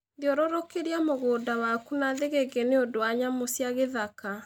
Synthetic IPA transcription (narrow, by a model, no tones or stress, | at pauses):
ðjɔɾɔɾɔkeɾiamoɣoːdawakunaðeɣeɡeneodowaɲamosiaɣeðaka